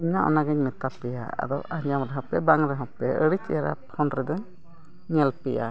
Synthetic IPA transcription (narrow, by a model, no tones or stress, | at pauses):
iɲaʔɔ̰naɡɛɲmɛt̪apɛja̰a̰d̪ɔaɲamɾɛɦɔpɛbaŋɾɛɦɔpɛəɽit͡ʃɛɾa̰pʰɔnɾɛd̪ɔ | ɲɛlpɛʔa̰